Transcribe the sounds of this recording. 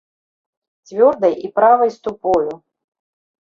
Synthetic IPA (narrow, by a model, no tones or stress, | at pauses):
t͡sʲvʲɔrd̪ɐjipɾavɐjst̪upɔju